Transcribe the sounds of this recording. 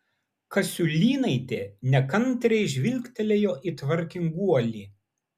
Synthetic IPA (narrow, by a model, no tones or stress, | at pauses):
kɐsʲʊlʲiːnɐɪt̪ʲeːnʲɛkɐnʲt̪ʲɾʲɛɪʒʲʋʲɪlʲkʲt̪ʲɛlʲejoːʔiːt̪ʋɐɾʲkʲɪŋɡuɔlʲiː